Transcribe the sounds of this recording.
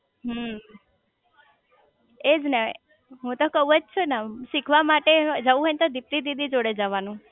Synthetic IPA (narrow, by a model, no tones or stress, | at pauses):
ɦə | ed͡ʒne | ɦũt̪okəuod͡ʒt͡ʃʰunaʃikʰʋamaʈed͡ʒəʋũɦənt̪od̪ip̚t̪id̪id̪ʱid͡ʒoɽed͡ʒəʋanũ